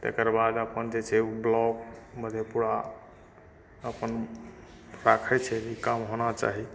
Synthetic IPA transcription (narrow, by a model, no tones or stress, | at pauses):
t̪ḛkəɾbad̪əpənd͡ʒet͡ʃʰɛblɔkməd̪ʱepuɽa | əpən | ɾakʰɛt͡ʃʰɛikamɦonat͡ʃa̰ɦi